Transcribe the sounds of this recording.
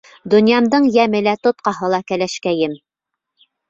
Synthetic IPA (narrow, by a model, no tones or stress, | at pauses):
d̪ŏnjɑmd̪ɤɴjæmɘlæt̪ŏt̪̚qɑɦɤlˠɑkælæʃkæjɘm